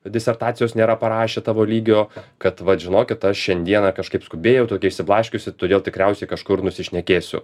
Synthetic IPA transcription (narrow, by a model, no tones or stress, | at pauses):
d̪ʲɪsʲɛrt̪ɑːt̪sʲɪjoːsnʲeːɾɐpɐɾɑːʃʲeːt̪ɑːʋoːlʲiːɡʲoːkɐt̪ʋɐʒʲɪnoːkʲɪt̪ɐʃʃʲɛnʲd̪ʲiɛnɐkɐʃkɐɪpskʊbʲeːjɛʊt̪oːkʲɛɪʃʲsʲɪplˠɑːʃʲkʲʊsʲɪt̪oːd̪ʲeːlˠt̪ʲɪkɾʲɛʊsʲɛɪkɐʃkʊrnʊsʲɪʃʲnʲɛkʲeːsʲʊ̰